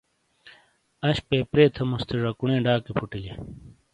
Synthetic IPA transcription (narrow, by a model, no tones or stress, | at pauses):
ɐɕpeːpɾeːt̪ʰɐmust̪ʰeʐɐkuɳẽːɖaːkipʰuʈile